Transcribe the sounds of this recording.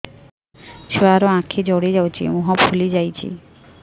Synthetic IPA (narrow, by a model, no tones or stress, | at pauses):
t͡ɕʰoaɾoãkʰed͡ʑɔɽed͡ʑawt͡ɕʰḭmoɦapʰulid͡ʑajt͡ɕʰḭ